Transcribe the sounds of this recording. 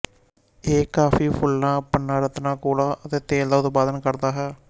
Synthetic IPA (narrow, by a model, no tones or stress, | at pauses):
eːkaːfʰiːpʰʊlnãːpənːãːɾət̪nãːkoːlaːʔət̪eːt̪eːld̪aːʊt̪paːd̪ənkəɾd̪aːɦɛː